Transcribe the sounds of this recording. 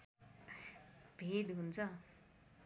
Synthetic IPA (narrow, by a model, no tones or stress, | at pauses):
bʱeɖɦunt͡sʰʌ